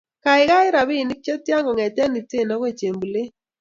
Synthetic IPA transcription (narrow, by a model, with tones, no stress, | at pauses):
ka˨ɪ˨ɡa˦ɪ˦ɾa˨bi˦˨ni˦k̚t͡ʃe˦tja˦ŋɔ˨ŋɛ˨tɛ˦ni˨te˦˨na˨˦kwe˦˨t͡ʃe˨mbu˨le˦